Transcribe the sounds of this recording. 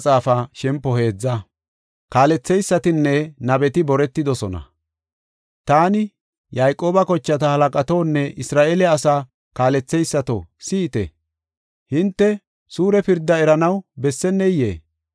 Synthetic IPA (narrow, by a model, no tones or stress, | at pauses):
t͡sʼaːfɐʃɛmpːɔhe̞ːd͡zːɐ | kaːlɛt͡sːɛjsːɐt̪ɪnːɛnɐbɛt̪ɪbɔɾɛt̪ːɪd̪ɔsɔnɐ̰ | t̪aːnɪ | jajkʼːo̞ːbɐkɔt͡ʃːɐt̪ɐhɐlɐkʼɐt̪oːnːɛʔɪsɾaːʔeːlɛɐsaː | kaːlɛt͡sːɛjsːɐt̪o̰siːt̪ɛ̰ | hɪnt̪ːɛ | suːɾɛpɪɾd̪ːɐɛɾɐnɐwbɛsːɛnːɛjḛː